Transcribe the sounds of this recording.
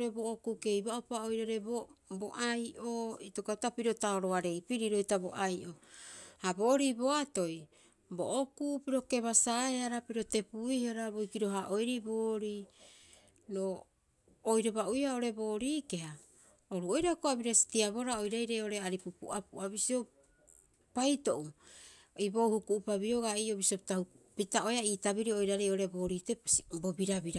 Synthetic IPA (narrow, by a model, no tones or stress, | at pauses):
ɾebo̞ʔokuke̞jbaopaojɾaɾe̞boboʔajʔoitokatapiɾo̞taoɾoaɾe̞jpiɾiɾo̞jtabo̞ʔajʔo̞habo̞ɾibo̞ato̞j | boʔokupiɾo̞ke̞βasaeaɾapiɾo̞te̞puihaɾabojkiɾo̞ɦaʔo̞jɾiboːɾi | no | ojɾobaʔujhao̞ɾe̞bo̞ːɾiːkeha | oɾuo̞jɾakoabiɾasi̥tiaβo̞ɾaojɾajɾejo̞ɾeaɾipupṵʔapuʔaβisio̞ | pajto̞ʔu | ibo̞hukuʔupaβio̞ɡaioβisio̞pi̥tahupitao̞jaiːtaβiɾio̞jɾaɾejo̞ɾebo̞ːɾitesibo̞biɾabiɾa